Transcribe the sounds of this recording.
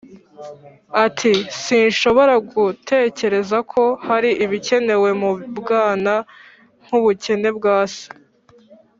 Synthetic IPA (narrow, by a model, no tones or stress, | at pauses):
atʰisiːnʃo̞βo̞ɾaɡutʰe̞ːce̞ɾe̞zakʰo̞haɾiʔiβice̞ne̞we̞mubɡaːna | ŋ̥huβuce̞ne̞bɡaːse̥